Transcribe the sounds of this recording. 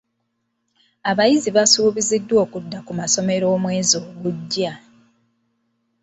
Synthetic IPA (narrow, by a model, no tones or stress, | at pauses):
aβajiziβasuːβizidːwo̞ːkudːakumaso̞me̞ɾo̞ːmwe̞ːzo̞ːɡuɟːa